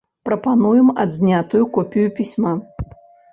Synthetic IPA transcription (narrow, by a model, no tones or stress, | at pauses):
pɾɐpanujɛma̰d̪zʲnʲat̪ujukɔpʲijupʲisʲma